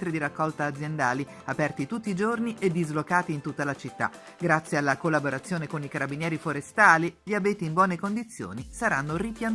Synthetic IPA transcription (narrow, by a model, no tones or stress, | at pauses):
ɾid̪iɾakːɔlt̪aːd̪zːjend̪aːli | apɛrt̪it̪ut̪ːiːd͡ʒorniʔed̪ːizlokaːt̪iːnt̪ut̪ːalat͡ʃit̪ːa̰ | ɡɾat̪sːjealːakolːaboɾat̪sːjoːnekonikaɾabinjɛːɾifoɾest̪aːliʎiabeːt̪iːmbwɔːnekond̪it̪sːjo̰ːnisaɾanːoripjan